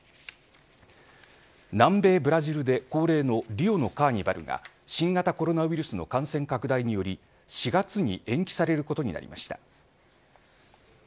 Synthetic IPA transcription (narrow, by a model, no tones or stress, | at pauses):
nãmbe̞ːbɯ̟ɾaʑiɾɯ̟d̪e̞ko̞ːɾe̞ːno̞ɾʲio̞no̞kaːɲ̟iba̰ɾɯ̟̰ɡa̰ | ɕĩŋɡat̪ako̞ɾo̞naɯiɾɯ̟sɨno̞̰kãɰ̃sẽ̞ŋkakɯ̟d̪aiɲ̟ijo̞ɾʲi | ɕiɡat͡sɨɲ̟ḭʔẽ̞ŋkʲi̥saɾe̞ɾɯ̟ko̞t̪o̞ɲ̟ḭna̰ɾʲḭma̰ɕi̥t̪a